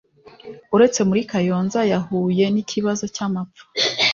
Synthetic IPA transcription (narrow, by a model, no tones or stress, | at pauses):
uɾe̞t͡se̞muɾikajoːnzajahuːje̞nicʰiβazo̞camap̪p͡ffḁ